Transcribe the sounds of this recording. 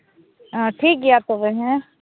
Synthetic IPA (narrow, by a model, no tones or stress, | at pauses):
ʈʰiːk̚ɡijat̪oʋeɦɛ̃